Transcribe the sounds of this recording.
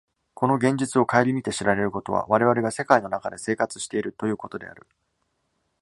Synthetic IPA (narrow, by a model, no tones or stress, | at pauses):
kʰo̞no̞ɡẽ̞ɲ̟d͡ʑit͡sɨo̞kaeɾʲimʲit̪e̞ɕiɾaɾe̞ɾɯ̟ko̞t̪o̞βa̰βaɾe̞β̞aɾe̞ɡase̞kaino̞nakad̪e̞se̞ːkat͡sɨ̥ɕi̥t̪e̞iɾɯ̟t̪o̞jɯ̟ːko̞t̪o̞d̪e̞̰a̰ɾɯ̟